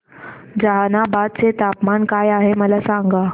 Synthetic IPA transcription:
d͡zaɦanabad̪̚t͡set̪apmankajaɦeməlasaŋɡa

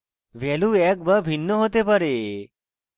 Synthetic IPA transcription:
ʋɛluɛk̚bəbʱinːəɦot̪epəɾe

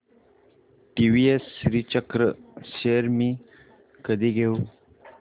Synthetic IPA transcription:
ʈiʋiesːɾit͡ɕəkɾəseɾmiː | kəd̪iɡʱeu

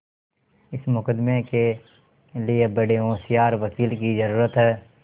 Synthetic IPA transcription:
ɪsmʊkəd̪meke | liebəɽeɦõːsijaːɾʋəkiːlkizɐɾuːɾət̪ɦɛː

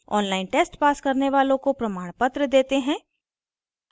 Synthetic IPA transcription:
ɔ̰ːnlaːɪnʈeːsʈpaːskɐɾneʋaːlõkopɾɐmaːɽ̃pət̪ɾəd̪eːt̪eɦɛ̃ː

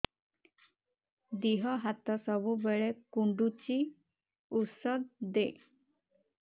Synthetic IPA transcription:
d̪iɦɔɦat̪ɔsɔbubeɭekuɳɖut͡ɕi | usɔd̪̚d̪e

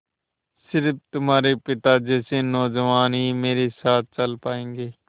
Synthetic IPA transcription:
sɪɾpʰt̪ʊmaːɾepɪt̪aːd͡ʒɛːsenɔːd͡ʒəʋaːnɦiːmeːɾesaːt̪̚ʰt͡ʃəlpaːẽːŋɡeː

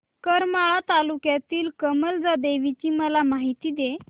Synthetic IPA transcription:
kəɾmaɭat̪alukjat̪iːlkəməld͡zad̪eʋit͡ɕiːməlamaɦit̪iːd̪e

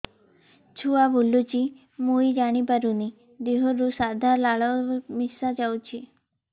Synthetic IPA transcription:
t͡ɕʰuabʱulːut͡ɕi | muid͡ʑaɽ̃ipəɾuni | d̪eɦoɾusad̪ʱaɾlaɭəmisad͡ʑawt͡ɕi

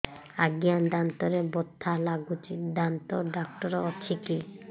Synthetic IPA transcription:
aɡijand̪ant̪oɾebot̪ʰːalaɡut͡ʃid̪ant̪oɖakʈɔɾɔt͡ɕʰiki

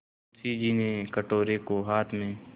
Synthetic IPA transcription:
siːd͡ʒiːnekəʈoːɾekoɦaːt̪ʰmẽ

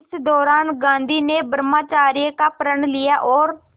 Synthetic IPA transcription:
sd̪ɔːɾaːnɡãːnd̪iːneːbəɾmaːt͡ʃaːɾiəkaːpəɾəɳlɪaːʔɔːɾ

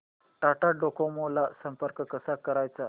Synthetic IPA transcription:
ʈaʈaɖokʰomolasəmpəɾkkəsakəɾajt͡sa

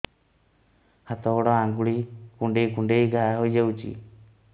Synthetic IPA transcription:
hat̪ɔɔɽɔãŋɡuɽikuɳɖejkuɳɖejɡʱaɦojd͡ʒawt͡ʃḭ

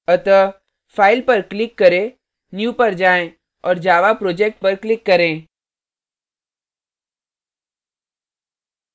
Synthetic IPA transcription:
ət̪ə | fʰaːɪlpɐɾklɪkːɐɾẽ | njuːpəɾd͡ʒaːẽ | ɔːɾd͡ʒaːʋapɾoːd͡ʒeːk̚ʈ̚pɐɾklɪkːɐɾẽː

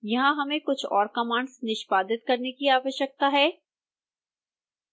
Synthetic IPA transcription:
jɐɦãɦɐmẽkʊt͡ʃʰɔ̰ːɾkɐmaːɳɖsnɪʃpaːd̪ɪt̪̚kɐɾnekiaːʋəʃjək̚t̪aɦɛː

